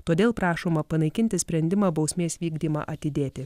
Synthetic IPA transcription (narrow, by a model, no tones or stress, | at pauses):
t̪oːd̪ʲeːlˠpɾɑːʃoːmɐpɐnɐɪkʲɪnʲt̪ʲɪsʲpʲɾʲɛnʲd̪ʲɪmɑːbɐʊsʲmʲeːsʋʲiːɡd̪ʲiːmɑ̰ːʔɐt̪ʲɪd̪ʲeːt̪ʲɪ